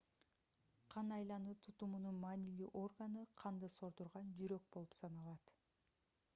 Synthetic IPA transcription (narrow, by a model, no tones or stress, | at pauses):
qʰɑnɑjlˠɑnuːt̪ʰut̪umununmɑːnilyʔo̞rɡanɯqʰɑnd̪ɯso̞ɾd̪uɾʁɑnd͡ʒyɾø̞k̚bo̞lˠupsɑnɑlˠɑt̪